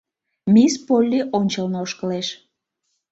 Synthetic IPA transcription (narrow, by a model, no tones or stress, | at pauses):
mʲispolʲːiʔonʲt͡ɕəlnooʃkəleʃ